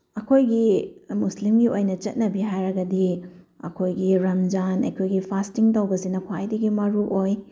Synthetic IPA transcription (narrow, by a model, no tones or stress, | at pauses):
ɐkʰojɡimuslimɡiojnɐt͡ʃɐt̚nɐbiɦajɾɐɡɐdi | ɐ̰kʰojɡiɾɐmd͡ʒanɐ̰jkʰojɡipʰastiŋtawɡɐsinɐkʰwajdɐɡimɐɾuʔoj